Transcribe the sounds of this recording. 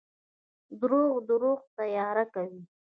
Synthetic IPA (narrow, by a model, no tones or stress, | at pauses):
d̪ɾoɣd̪əɾoɣt̪ajɑɾakawi